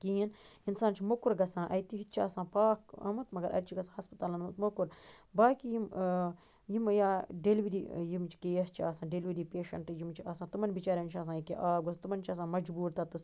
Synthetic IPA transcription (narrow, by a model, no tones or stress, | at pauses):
kiːininsaːnt͡ʃʰimokuɾɡɐsãːʔɐjt̪iɦit̪t͡ʃʰaːsãːpaːkɐ̰mɐt̪mɐɡɐɾʔɐ̰ɾʲt͡ʃʰiɡɐsãːɦɐspɐt̪aːlɐnɐmɐt̪mokuɾbaːkijim | jimjaːɖelʋiɾiːjimt͡ʃʰi̥kejɐst͡ʃʰiaːsãːɖelʋiɾiːpeːʃɐ̰ɳʈjimt͡ʃʰiɐsãːt̪umɐnʲbit͡ʃaːɾʲɐnt͡ʃʰɐːs̬ãːjkḛʔaːɡost̪umɐnʲt͡ʃʰɐs̬ãːmɐd͡ʒbuːɾt̪at̪us